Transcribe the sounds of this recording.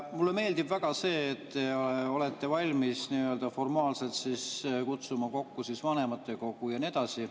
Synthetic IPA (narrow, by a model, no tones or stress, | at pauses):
mulːe̞me̞ːld̪ibvæɡ̥ɑse̞ːt̪ːeo̞le̞t̪ːe̞vɑlʲmisniø̞ld̪̥ɑfo̞rmɑːlse̞lt̪siskut̪sumɑko̞kːusisvɑne̞mɑt̪ːˑe̞ko̞kːˑujɑnie̞d̪̥ɑsi